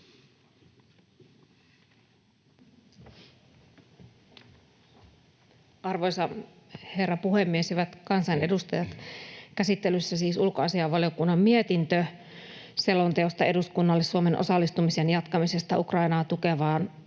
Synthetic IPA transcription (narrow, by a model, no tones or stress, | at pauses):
ɑrʋojsɑ | he̞rːɑpuhemːieshyʋæt̪kɑnsɑjne̞dust̪ɑjɑt̪kæsit̪ːelysːæsiːsulkoɑsiɑʋʋɑljokunːɑmmiet̪int̪ø | se̞lːont̪eost̪ɑe̞duskunːɑlːesːuome̞nʔo̰sɑlːist̪umisenjɑt̪kɑmise̞st̪ɑukrɑinɑːt̪ukeʋɑːn